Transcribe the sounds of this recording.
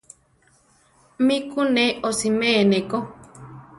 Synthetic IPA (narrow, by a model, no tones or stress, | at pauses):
mikuneosimeneko